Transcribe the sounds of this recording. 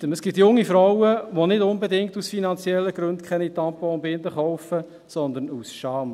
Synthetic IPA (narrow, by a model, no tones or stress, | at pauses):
əməsɡ̥ɪt̪jʊŋːifɾɔwəʋonɪdʊnbed̪ɪŋktusfinɑnt͡sjɛlːəɡ̥ɾɵnd̥̪kʰɛnit̪ɑmpoʊmbɪnd̪əχɔʊfə | sɔnd̪ənusʃɑːm